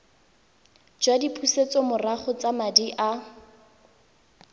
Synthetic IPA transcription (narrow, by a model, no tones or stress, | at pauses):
d͡ʒwadipʰuset͡sɔmʊraχʊt͡samadiʔa